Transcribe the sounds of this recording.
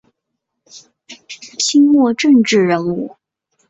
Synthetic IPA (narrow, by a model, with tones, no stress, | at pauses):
t͡ɕʰi˥ŋmwɔ˥˧ʈ͡ʂə˥˧ŋʈ͡ʂɻ̩˥˩ɻə˧˥nu˥˩